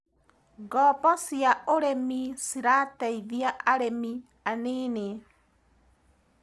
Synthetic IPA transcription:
ɡɔpɔsiaʔoɾemisiɾatɛiðjaʔaɾemi | aneːne

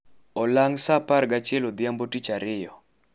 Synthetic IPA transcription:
ɔlaŋsapaɾɡat͡ʃelod̪ɪjambotit͡ʃaɾɪjɔ

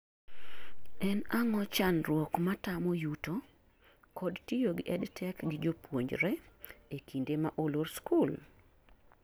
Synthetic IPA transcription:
ɛnaŋɔt͡ʃanrwɔkmatamojuto | kɔdtijoɡɪʔɛdtʰɛkɡɪd͡ʒopwoɲd͡ʒɾɛekʰindemaʔoloɾskul

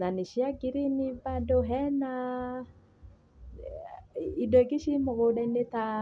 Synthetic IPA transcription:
naniʃiaɡiɾinibadoɦɛna | idɔkiʃimoɣodainet̪a

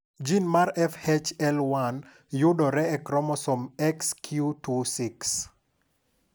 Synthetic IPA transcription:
d͡ʒinmaɾɛfhet͡ʃɛlwan | jʊdɔɾɛɛkɾɔmɔsɔmɛkskʰjutusiks

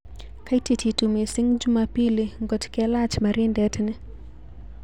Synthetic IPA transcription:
kajtititumisiŋɡd͡ʒumapiliŋɡɔtkɛlat͡ʃmaɾindɛtni

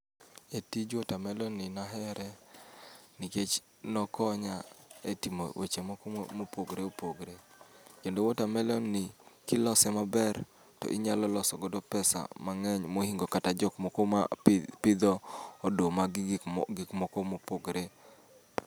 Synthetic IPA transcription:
etid͡ʒɔtamɛlɔnɪnaɦɛɾɛ | niket͡ʃ | nɔkɔɲaetimo̰wḛt͡ʃemmopoɡɾeopoɡɾekendowɔtamɛlɔnɪkɪlɔsɛmabɛr | tɔ̰ʔɪɲalɔlɔsɔɡɔdɔpɛsa̰maŋɛɲmohiŋɡokatad͡ʒɔkmɔkɔmapɪd̪ɔːdomaɡɪkmɔkɔmopoɡɾe

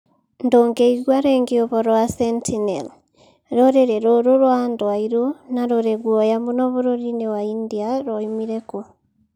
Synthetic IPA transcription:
ndoːŋɡeiɡwaɾeŋɡiɔβɔɾɔasɛntʰinɛl | ɾɔɾeɾeɾoɾoɾwandwaiɾonaɾoɾeɡwɔjamonɔβoɾoɾinewaindiaɾɔimiɾeko

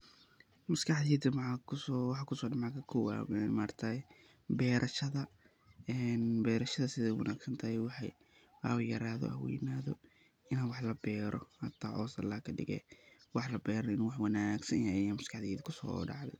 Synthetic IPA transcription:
mɐskʰɑħd̪iːd̪ɪmʕɑkʰʊsɔwɑħɑkʰʊsɔːdɐmɑkʰɐkʰɔwa̰ɛmaːrt̪ʰɐ | bɛːɾʔɐʃɐðɐ | ɛnbɛːɾɐʃɐðɐsɪðɛwɐ̰nʔaːɡsɐnt̪ʰɐhɛwɑħɑj | ɐ̰wjɐɾaːðɔ̰hɐ̰wɛ̰ːjnaːðɔ | ɪnɐwɑħlɐbɛːɾʔɔ̰hɐt̪ʰaʕɔːsɐlːaːkʰɐɖɪ̰ɣɛ̰wɑħlɐbɛːɾɔɪnwɑħwɐnaːɡsɐnjajamɐskʰɑħd̪iːðɐkʰʊsɔ̰ːɖɑ̰ʕðɛ̰j

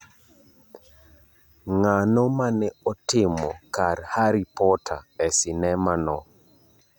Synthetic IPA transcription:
ŋanɔmanɛɔtɪmɔ̰kaɾhaɾipɔtʰa̰ɛsɪnɛmanɔ

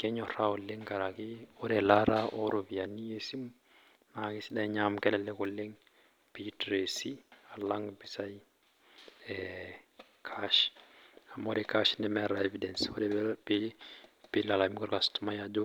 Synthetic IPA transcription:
kɛɲɔɾaɔlɛŋkaɾakiɔɾɛlaɾaɔɾovianijesim | nakisiɗaɲamkɛlɛlɛkɔlːɛŋ | pitɾesialaŋɡbisaj | ɛ | kʰaʃ | amɔdɛkaʃnɛmɛɾaevidɛnsɔdɛbɛbepilalamkɔɾkastmajadu

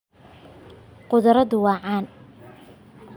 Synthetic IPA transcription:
qʊðɐɾɐðʊwɑːʕɑːn

